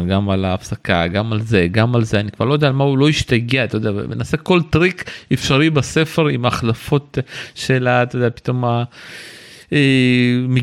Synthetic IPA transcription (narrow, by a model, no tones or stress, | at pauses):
ɡamalaːfsaka̰ɡamalzeɡamalzeanikvaʁlojd̪ealmaulo̞iʃt̪aɡeat̪ajda̰menaːseko̞lt̪ʁikefʃaʁibase̞feʁimaːχlafo̞t̪ʃelat̪ood̪eapi̥t̪o̞ma | eme